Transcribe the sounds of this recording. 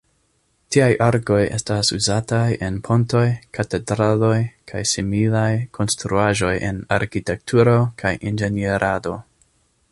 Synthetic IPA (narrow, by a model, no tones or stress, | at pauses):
tiajʔaɾko̞je̞̰stasuzatajʔe̞npʰo̞nto̞jkate̞dɾalo̞jkʰajsimilajkʰo̞nstɾuaʒo̞jʔe̞̰na̰ɾkite̞k̚tʰuɾo̞kʰajʔind͡ʒe̞nieɾʔado̞